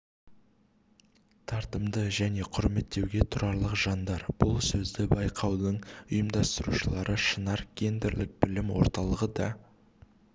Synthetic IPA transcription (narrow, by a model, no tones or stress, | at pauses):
t̪ʰɑɾt̪əmd̪əʒæne̞qʰʊɾme̞t̪ːe̞wɡʲe̞t̪ʰʊɾɑɾlˠəqʒɑnd̪ɑɾb̥ʊlˠsɵzd̪ɪbɑjqʰɑwd̪əɴʊjəmd̪ɑst̪əɾṵʃəlˠɑɾəʃənɑɾɡʲʰe̞nd̪eɾlɪk̚bɪlɪmwo̞̰ɾt̪ɑlˠəʁəd̪ɑ